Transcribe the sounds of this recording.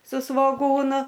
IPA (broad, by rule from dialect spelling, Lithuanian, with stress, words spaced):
sʊ sʋoːˈɡuːnʊ